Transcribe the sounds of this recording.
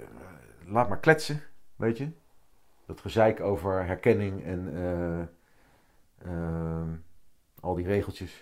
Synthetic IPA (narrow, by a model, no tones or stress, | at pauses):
laːt̚maːɹklɛtsəʋʔejtjə | d̥ɑtχəzɛjkowvəɹɦɛɹkɛnɪŋɛn | ɑlˠdirejχəlˠtjəs